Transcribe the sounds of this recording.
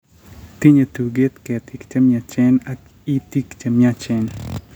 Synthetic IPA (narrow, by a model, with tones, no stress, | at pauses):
t̪i˦ɲe˨t̪u˨ɡe˦t̪ke˨t̪ʰi˨kt͡ʃa˦mjat͡ʃɛ˦na | i˦t̪i˦kt͡ʃamjat͡ʃen